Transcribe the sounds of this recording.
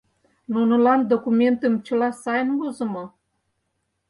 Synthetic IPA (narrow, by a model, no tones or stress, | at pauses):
nunɤ̆lɑnd̪okument̪ə̆mt͡ɕə̆lɑsɑjənβozə̆mo